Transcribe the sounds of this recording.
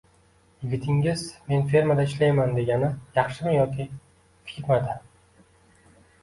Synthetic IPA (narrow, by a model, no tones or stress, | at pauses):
jɪɡʲɪt̪ʰɪŋɪzme̞nfe̞ɾmad̪aɪʃlajmand̪e̞ɡʲanɪjɑχʃɪmɪjɒkʲʰi | fɪ̥kʲɪɾmad̪ɪ